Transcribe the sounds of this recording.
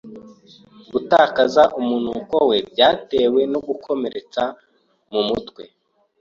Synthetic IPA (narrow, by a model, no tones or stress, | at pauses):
ɡutaːkazaʔumunuːkowe̞bɟaːte̞ːwe̞no̞ɡukʰo̞me̞ɾe̞t͡sa | mumutwe̞